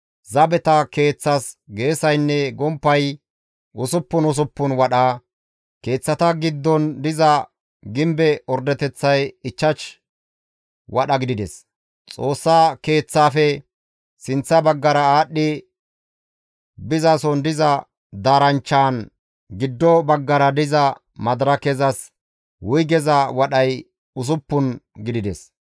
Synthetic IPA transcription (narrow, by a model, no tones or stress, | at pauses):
zɐbɛt̪ɐke̞ːt͡sːɐsɡe̞ːsɐjnːɛɡɔmpːɐj | ʔʊsʊpːʊnʊs̬ʊpːʊnwɐɗaː | ke̞ːt͡sːɐt̪ɐɡɪd̪ːɔnd̪ɪzɐ | ɡɪmbɛɔɾd̪ɛt̪ɛt͡sːɐjɪt͡ʃːɐt͡ʃ | wʔɐɗɐɡɪd̪ɪd̪ɛs | t͡sʼo̞ːsːaːke̞ːt͡sːaːfɛ | sɪnt͡sːɐbɐɡːɐɾɐaːɗːɪ | bɪzaːsɔnd̪ɪzɐ | d̪aːɾɐnt͡ʃːaːn | ɡɪd̪ːɔbɐɡːɐɾɐd̪ɪzɐ | mɐd̪ɾɐkɛzɐs | wʊjɡɛzɐwɐɗɐj | ʊs̬ʊpːʊnɡɪd̪ɪd̪ɛs